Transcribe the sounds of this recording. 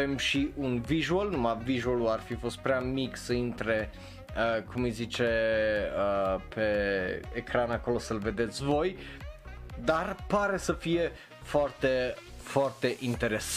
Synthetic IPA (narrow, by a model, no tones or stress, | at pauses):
emʃiʔunviʒuolnumaviʒuoluarfifo̞st̪̚pɾeamiksəint̪ɾe̞ | əkʰumɨjzit͡ʃeəpʰe̞ː | kɾanako̞lo̞səlve̞d̪e̞t̪sʲvo̞j | d̪arpaɾe̞səfije̞ | foart̪e̞foart̪e̞ʔint̪e̞ɾes